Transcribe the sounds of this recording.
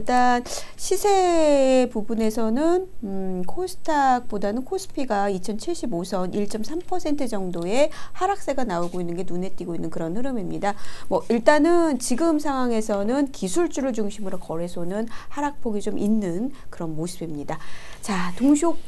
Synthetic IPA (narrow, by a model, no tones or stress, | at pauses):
iɭt͈anɕʰisʰe̞pubune̞sʰʌnɯnkʰosʰɯ̥tʰak̚p͈odanɯnkʰosʰɯ̥pʰiɡait͡ɕʰʌnt͡ɕʰiɭɕ͈ibosʰʌnʔiɭt͡ɕ͈ʌmsʰampʰʌsʰe̞ntʰɯd͡ʑʌŋdoe̞haɾak̚s͈e̞ɡanaoɡoinːɯnɡenunɦe̞t͈ːiɡoinːɯnkɯɾʌnhɯɾɯmimɲidamwʌiɭt͈anɯnt͡ɕiɡɯmsʰaŋɦwaŋe̞sʰʌnɯnkisʰuɭt͡ɕ͈uɾɯɭt͡ɕuŋɕʰimɯɾokʌɾe̞sʰʌnɯnhaɾak̚p͈ʰoɡit͡ɕomʔinːɯnkɯɾʌnmosʰɯbimɲidat͡ɕatoŋɕʰok̚